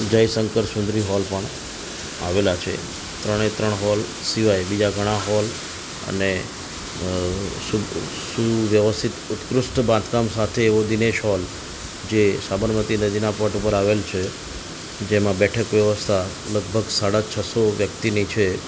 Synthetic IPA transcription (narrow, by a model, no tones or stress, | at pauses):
d͡ʒəjsəŋkəɾsʊ̃nd̪ɾiɦɔlpəɳ̃ | a̰ʋelat͡ʃʰḛ | t̪ɾəɽ̃et̪ɾəɳ̃ɦɔl | siʋajbid͡ʒaɡʱəɽ̃aɦɔl | ə̰ne | su | suʋjəʋəst̪ʰit̪ʊt̪kɾʊsʈbãnd̪kamsat̪ʰeːʋod̪ineʃɦɔl | d͡ʒesabəɾmət̪inəd͡ʒ̪inapəʈupəɾaʋelt͡ʃʰe | d͡ʒemãbɛʈʰəkʋjəʋəst̪ʰa | ləɡ̚bʱəɡsaɽat͡ʃʰəsoʋjək̚t̪init͡ʃʰe